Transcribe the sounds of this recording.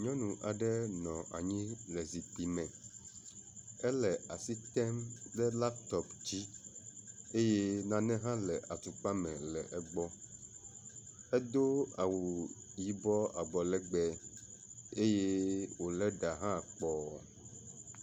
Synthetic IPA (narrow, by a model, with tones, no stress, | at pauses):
ɲɔ̃˦nũ˨ʔa˨ɖɛ˦nɔ̃˨ʔa̰˨ɲĩ˦lɛ˨zi˨t̪i˨mɛ̃˨ | ɛ˦lɛ˨ʔa˨si˦t̪ɛ˦mdɛ˦la˦pt̪ɔ˦pd͡ʑi˦ | e˦je˦nã˨nɛ̃˦ɦã˦lɛ˨ʔa˨t̪u˨k͡pa˦mɛ̃˨lɛ˨ʔɛ˨ɡ͡bɔ˦ | ɛ˦d̪o˦a˨wu˨ | ji˨bɔ˦a˨ɡ͡bɔ˨lɛ˦ɡ͡bɛ˨ | e˦je˦wo˨lɛ˦ɖa˨ɦã˦˨k͡pɔ˨